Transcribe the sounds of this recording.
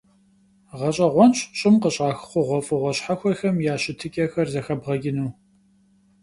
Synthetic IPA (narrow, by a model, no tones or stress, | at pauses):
ʁɐɕʼɐʁʷɔnɕɕʼɪmqəɕʼaːxχʷʊʁʷɔfʼɨʁʷɔɕħaxʷɔxɐmjaːɕɪtʰɨkʲʼɐxɐrzɐxɐbʁɐɡʲɪnuː